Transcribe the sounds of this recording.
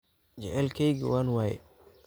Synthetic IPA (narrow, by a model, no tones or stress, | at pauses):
t͡ʃɛʕɛlkʰɛjɡ̰waːnwaːjɛ̰